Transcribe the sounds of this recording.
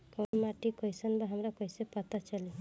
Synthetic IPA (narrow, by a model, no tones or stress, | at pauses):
kɔmaʈikɔjsɔnbaɦamɾakɔjsepɔt̪at͡ʃali